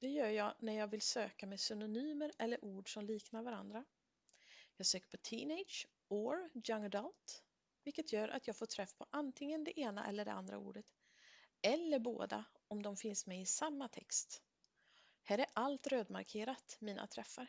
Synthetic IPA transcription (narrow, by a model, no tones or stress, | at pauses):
d̪̥ɛjœːɾjɑːɡnæɾjɑːɡvɪlsøːkamɛsʏnʊnyːməɾɛlːəɾʔuːɖʂɔmliːknaɾvaɾa̰nd̪ɾa | jɑːɡsøːkə̥ɾpʰɔt̪ʰiːnɛɪdʂ | oːɾjaŋːd̪ɔlt̪ | vɪlkːət̪ʰjœːɾʔa̰t̪jɑːɡfoːʈʰɾɛfːpʰɔʔant̪ʰɪŋːənd̪ɛʔeːna̰ʔɛ̰lːəɖɛ̰ʔa̰nd̪ɾa̰ṵːɖət̪ | ɛlːəɾbo̰ːd̪a̰ | ɔmd̪ɔmfɪnsmɛɪsamːat̪ʰɛ̰kst̪ | hæːɾæɾʔalt̪ɾøːd̪ma̰ɾkʰeːɾat̪miːnʔa̰t̪ʰɾɛfːaɾ